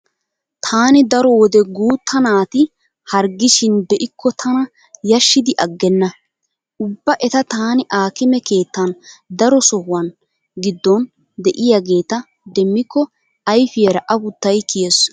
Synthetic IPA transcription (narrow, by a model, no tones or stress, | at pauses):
t̪ʰaːnɪd̪ɐɾɔwɔd̪ɛɡuːt̪ʰːɐnaːt̪ɪ | hɐɾɡɪʃɪnbɛʔɪkːɔt̪ʰɐnɐ | jɐʃːɪd̪ɪʔɐɡːɛnːɐ | ʔʊbːɐʔɛt̪ɐt̪aːnɪʔaːkɪmɛke̞ːt̪ːɐnd̪ɐɾɔsɔhwɐn | ɡɪd̪ːɔn | d̪ɛʔɪjaɡe̞ːt̪ɐ | d̪ɛmːɪkːɔ | ɐjfɪjɛɾɐʔɐbʊt̪ːɐjkɪjɛs